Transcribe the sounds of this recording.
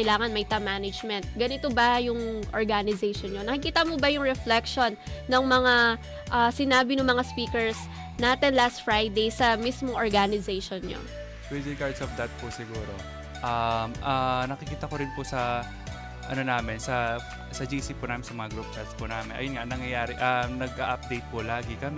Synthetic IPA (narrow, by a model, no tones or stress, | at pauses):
ɐjlaːŋɐnmɐjt̪ɐmanɐd͡ʒmɛnt̪̚ɡɐnɪt̪obɐjʊŋʔoɹɡanɪzɛjʃonɲonɐkɪkiːt̪ɐmobɐjʊŋɹɛflɛkʃo̞nːɐŋmɐŋa | ʔɐsɪnaːbɪnʊŋmɐŋaspiːkɛɹs | naːt̪ɛnlast̪fɹajd̪ejsɐmismoŋʔoɹɡanɪzɛjʃonɲo̰ | kwɛd̪ɪɡaɹd̪sovd̪ɐt̪̚pʊsɪɡuːɾo | ʔɐmʔɐnɐkɪkiːt̪ɐkoɾɪnpʊsɐ | ʔɐnonaːmɪnsɐ | sɐd͡ʒiːsipʊnaːmɪnsɐmɐŋaɡɾup̚t͡ʃat̪spʊnaːmɪnʔɐ̰jonŋaʔnɐŋjɐjaːɾɪʔɐnɐɡ̚ʔaʔɐp̚d̪ejt̪̚pʊlaːɡɪkɐmɛ